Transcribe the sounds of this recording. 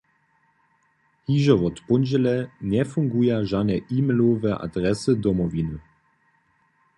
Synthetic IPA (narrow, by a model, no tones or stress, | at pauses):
hiːʒɔvɔt̪pɔnʒɛlɛnɛfuŋɡujaʒanɛʔiːmɛlovɛʔa̰d̪ʁɛsɨd̪ɔmɔvinɨ